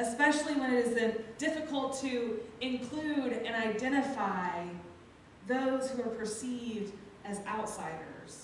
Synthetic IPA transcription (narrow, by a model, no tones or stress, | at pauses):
ɨspɛʃl̩ˠiwə̃ñɨɾɨzɨ̃nd̥ɪfɨkʰəl̩ˠtʰɨɪ̃nkʰl̥ʉɾɨ̃naɪdɛ̃ɾ̃ɨfaɪ | ðoʊz̥huə˞pʰə˞sivd | ɨzaʊtsaɪɾə̰˞z̥